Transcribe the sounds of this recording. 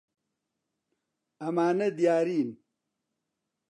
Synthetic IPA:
ɐmaːnɐd̪ijaːɾiːn

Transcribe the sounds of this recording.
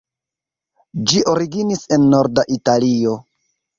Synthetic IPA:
d͡ʒiʔo̞ɾiɡinise̞nːo̞ɾdaʔitalio̞

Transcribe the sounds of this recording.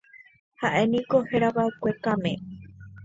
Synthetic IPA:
haʔe̞nĩkoheɾaβaɨkʷekamẽ

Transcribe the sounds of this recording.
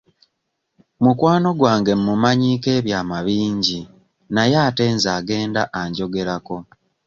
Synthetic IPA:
mukwaːno̞ɡwaːŋɡe̞mːumaɲiːke̞ːβjaːmaβiːɲɟi | najaːte̞ːnzaːɡe̞ːnda̰ʔaɲɟo̞ɡe̞ɾako̞

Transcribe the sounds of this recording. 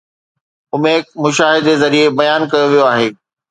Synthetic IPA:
ʊmẽkmʊʃaːɦɪd̪ezɐɾiebɐjaːnkɐjoʋijoaːɦeː

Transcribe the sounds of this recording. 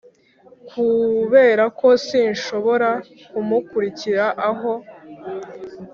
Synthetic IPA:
kʰuβe̞ːɾako̞siːnʃo̞βo̞ɾa | kumukuɾiciɾaʔaɦo̞

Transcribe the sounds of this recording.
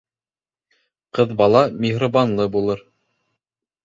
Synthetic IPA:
qɤðbɑlˠɑmʲɪɦɾabɑnlˠɤbulˠɤɾ

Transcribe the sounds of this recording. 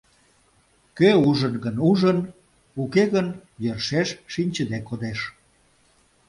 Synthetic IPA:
køuʒənɣənuʒən | ukeɣənjørʃeʃʃinʲt͡ɕəd̪ekːod̪eʃ

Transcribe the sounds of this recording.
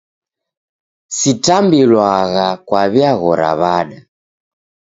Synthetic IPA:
sitambilwaɣakwaβiaɣɔɾa̰βaɗa

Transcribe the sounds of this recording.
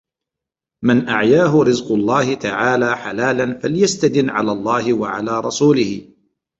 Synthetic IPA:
manʔa̰ʕjaːɦʊɾɪzqʊlˤːɑːhɪt̪aʕaːlaːħalaːlanfaljast̪ad̪ɪnːʕa̰laːlˤːɑːhɪwaʕa̰laːɾˤɑsuːlɪhɪ

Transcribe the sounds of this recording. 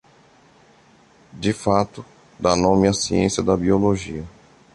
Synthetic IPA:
d͡ʒɪfat̪ʊ | d̪anõmɪɐsiḛ̃sijɐd̪ɐbioloʒiɐ

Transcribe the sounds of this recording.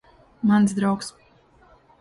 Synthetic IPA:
mansd̪ɾawks

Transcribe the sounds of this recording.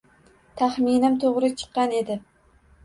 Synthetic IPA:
t̪ʰaχminɪmt̪ʰoʁɾɪt͡ʃʰɨ̥qːɑne̞d̪ɪ

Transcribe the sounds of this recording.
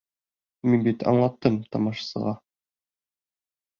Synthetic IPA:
minbit̪ɑ̰ɴlˠɑt̪ːɤmt̪ɒmɑʃɑ̥sɤ̰̆ʁɑ

